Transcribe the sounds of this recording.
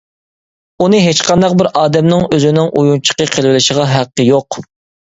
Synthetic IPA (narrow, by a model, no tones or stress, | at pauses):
unɨɦet͡ʃqʰɑnd̪ɑq̚bɪɾʔɑːd̪ɛmnɪŋøzɪnɪŋʔujunt͡ʃʰə̥qəqʰelˠvɪlɪʃəʁɑɦæqːəjoq